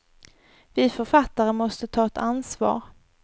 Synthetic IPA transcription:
vɪfœɾfat̪ːaɾəmɔst̪ət̪ʰɑːɛt̪ansvɑ̰ːɾ

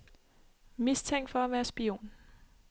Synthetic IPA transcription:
mist͡sʰeŋ̰d̥fɒ̽æʋæːɐsb̥io̝̰ːn

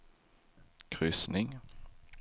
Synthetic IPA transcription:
kʰʁʏsnɪŋ

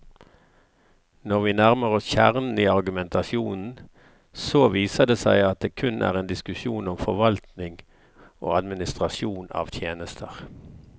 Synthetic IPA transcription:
nɔʁʋiːnæʁməʁɔsçæʁnn̩iːɑʁɡʉmɛnt̪ʰɑsɪuːnn̩ | soʋiːsəd̪eːsæɪɑt̪̚d̪eːkʰʉnʔæ̰ːʁeːnd̪ɪskʉʃjuːnɔmfɔʁʋɑlt̪nɪŋ | ʔo̰ːɑd̪mɪnɪst̪ʁɑsjuːnɑ̰ːʋt̪ʰjeːnəst̪ʰəʁ

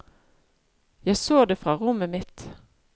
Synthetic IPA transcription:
jæɪsoːd̪eːfʁɑːʁʊməmɪt̪

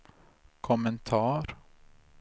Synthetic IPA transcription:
kʰʊmənt̪ʰɑːɾ

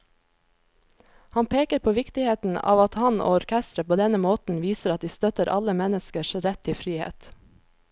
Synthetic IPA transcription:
hɑnpʰeːkəɾpʰoːʋɪkt̪ɪheːt̪n̩ɑ̰ːʋɑt̪hɑno̰ːɔɾkʰɛst̪ɾəpʰoːd̪ɛnəmoːt̪n̩ʋiːsəɾɑt̪̚d̪iːst̪œt̪əɾʔɑ̰ləmɛnəskəʃɾɛt̪ʰːɪfɾiːhḛːt̪

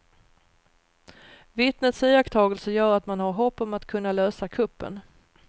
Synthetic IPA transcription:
vɪt̪nət̪siːakt̪ʰɑːɡəlsəjœːɾat̪manhaɾɦɔpːɔmat̪kʰɵnːaløːsakʰɵpːə̰n

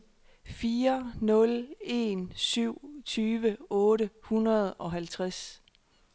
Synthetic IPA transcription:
fiːɐnɔ̽le̝̰nsyʊ̰t͡sʰyːʋəɔ̽ːɾəhunʁɐð̞̩ˠɒ̽ɦælt͡sʰʁas

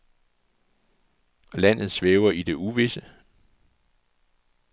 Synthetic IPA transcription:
læn̰ð̞̩ˠsʋeːʊɐid̥e̝ʔuʋe̝sə

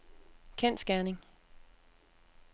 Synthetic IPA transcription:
kʰen̰sɡ̥æɐneŋ

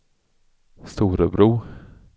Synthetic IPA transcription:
st̪uːɾəbɾuː

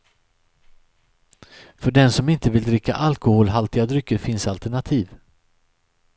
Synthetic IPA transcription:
fœɖɛnsɔmɪnt̪əvɪld̪ɾɪkʰːa̰ʔalkʊhoːlɦalt̪ɪad̪ɾʏkːəɾfɪnsalt̪æɳat̪ʰiːv

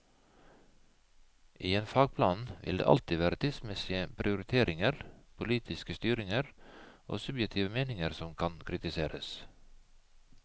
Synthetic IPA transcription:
ʔiːeːnfɑːɡ̚pʰlɑːnʋɪ̰ld̪ḛːʔɑ̰lt̪ɪʋæːɾət̪ʰiːd̪smɛsɪəpʰɾʔɪʊɾɪt̪ʰeːɾʔɪŋəɾpʰʊliːt̪ʰɪskəst̪yːɾɪŋəɾʔo̰ːsʉbjɛkt̪ʰiːʋəmeːnɪŋəɾsɔmkʰɑnkʰɾɪt̪ɪseːɾəs

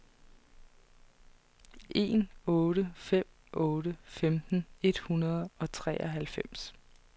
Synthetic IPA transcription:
ʔe̝̰ːnɔːɾəfem̰ | ɔ̽ːɾəfemd̥n̩e̝d̥hunɐð̞ˠɒ̽t͡sʰʁɛ̰ːʔɒɦælfem̰s

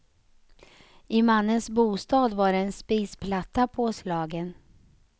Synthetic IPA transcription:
ɪmanːənsbuːst̪ɑːd̪vaɾɛɛnspiːspʰlat̪ːapʰoːslɑːɡən

